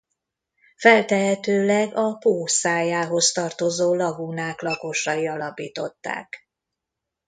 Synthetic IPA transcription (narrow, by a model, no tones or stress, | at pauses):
fɛlt̪ɛɦɛt̪øːlɛɡɒpoːsaːjaːɦo̞st̪ɒrt̪o̞zoːlɒɡunaːklɒko̞ʃɒiɒlɒpiːt̪o̞̰t̪ːa̰ːk